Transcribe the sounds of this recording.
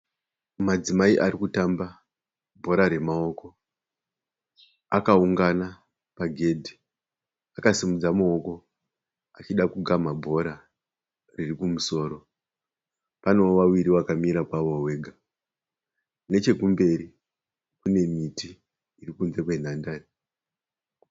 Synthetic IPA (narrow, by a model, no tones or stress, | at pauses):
mad͡zimaiʔarikutamba | bʱo̞ɾaɾe̞mao̞ko̞ | akauŋɡana | paɡʱe̞dʱi̥ | akasimud͡zamuoko̞ | at͡ʃiɗakuɡʱamabʱo̞ɾa | ririkumuso̞ːɾo̞ | pano̞oʋawiɾiwakamiɾakwaʋowe̞ːɡʱa | ne̞t͡ʃe̞kumbe̞ɾi | kune̞mitiː | rikunze̞kwe̞n̤andaːri